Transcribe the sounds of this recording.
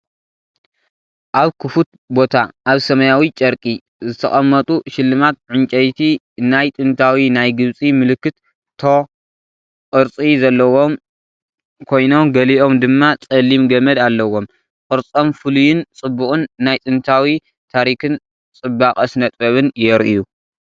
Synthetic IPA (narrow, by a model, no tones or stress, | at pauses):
ʔaβkʰɨfut̪̚ | bo̞t̪ʰaʔaβsɐmɐjawit͡ʃʼɐɾkʼi | zɨt̪ʰɐ̰χʼɐmːɐt̪ʼuʃɪlːɨmat̪̚ʕɨnt͡ʃʼɐjt̪ʰi | najt̪ʼɨnt̪ʰawinajɡɨβt͡sʼimɨlɨkːɨt̪ | t̪ʰo | qʼɨɾt͡sʼizɐlːɐwo̞m | kʰo̞jno̞mɡɐliʔo̞md̪ɨmːat͡sʼɐlimɡɐmɐd̪alːɐwo̞m | kʼɨɾt͡sʼomfɨlujɪnt͡sʼɨbːukʼɨnːajt̪ʼɨnt̪ʰawi | t̪ʰaɾikɨn | t͡sʼɨbakʼɐsnɐt̪ʼβɐβɨnjɛɾʔiju